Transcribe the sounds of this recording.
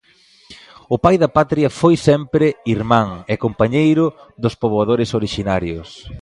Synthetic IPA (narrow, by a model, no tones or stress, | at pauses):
ʊpajðɐpat̪ɾiɐfojsɛmpɾɪiɾmãŋɛkompaɲejɾʊðʊspoβoaðoɾɪsoɾiʃinaɾjʊs